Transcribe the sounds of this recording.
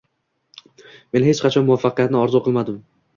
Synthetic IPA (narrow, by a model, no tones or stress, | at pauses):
me̞nhe̞t͡ʃqʰɑt͡ʃʰɒnmʊafːɑqjat̪nɪɒɾzʊqʰɨlˠmad̪ɪm